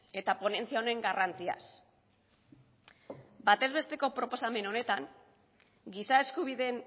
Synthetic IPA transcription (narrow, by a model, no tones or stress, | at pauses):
e̞t̪apo̞ne̞nt͡siaone̞ŋɡarant͡sia̰s | bat̪e̞zβe̞st̪e̞ko̞pɾo̞po̞same̞no̞ne̞t̪aŋ | ɡisae̞skuβ̞iðe̞n